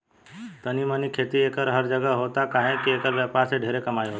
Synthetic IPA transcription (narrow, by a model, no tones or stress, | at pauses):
t̪ənimə̃nikʰeːt̪ieːkəɾɦəɾd͡ʒəɡəɦoːt̪akaːɦẽkieːkəɾʋjaːpaɾseɖʱeːɾekəmaːiɦo